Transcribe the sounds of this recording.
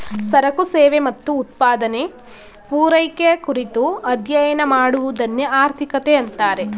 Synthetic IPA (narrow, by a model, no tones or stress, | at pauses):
sɐɾɐkuseːʋemɐt̪ːuːt̪̚paːd̪ɐne | puːɾɐjkeɐkuɾit̪uɐd̪ʱjɐjɐnɐmaːɽuʋud̪ɐnːeaːɾt̪ʰikɐt̪eɐnt̪aːɾe̞